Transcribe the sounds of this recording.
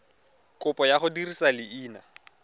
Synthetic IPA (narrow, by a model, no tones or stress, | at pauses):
kʼʊpʼɔjaχʊdirisalɪiːna